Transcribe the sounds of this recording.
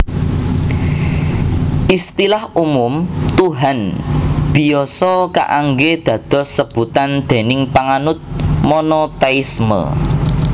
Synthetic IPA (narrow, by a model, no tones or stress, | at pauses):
ʔist̪ilahumʊmt̪uɦanb̥i̤jɔsɔka̰ʔaŋɡed̪̥ä̤d̪̥ɔ̤səb̥ut̪and̪̥e̤nɪŋpaŋanʊt̪̚mɔnɔt̪aismə̰